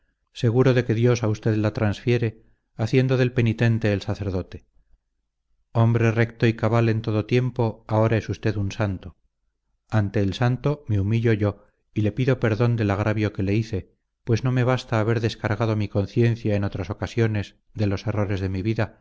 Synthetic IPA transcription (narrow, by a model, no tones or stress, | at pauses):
se̞ɣ̞uɾo̞ðe̞ke̞ðjo̞saust̪e̞ðlat̪ɾansfje̞ɾe̞ | aθje̞nd̪oðe̞lpe̞nit̪e̞nt̪e̞ːlsaθe̞ɾðo̞t̪e | o̞mbɾe̞re̞kt̪o̞ikaβalent̪o̞ðo̞t̪je̞mpo̞ao̞ɾae̞sust̪e̞ðunsant̪o | ant̪e̞ːlsant̪o̞meumiʎo̞ʝo̞ | ile̞piðo̞pe̞ɾðo̞nd̪e̞laɣ̞ɾaβjo̞ke̞le̞iθe̞ | pwe̞zno̞me̞β̞ast̪aːβ̞e̞ɾðe̞skaɾɣað̞omiko̞nθje̞nθjaeno̞t̪ɾaso̞kasjo̞ne̞z | ðe̞lo̞se̞ro̞ɾe̞zðe̞miβiða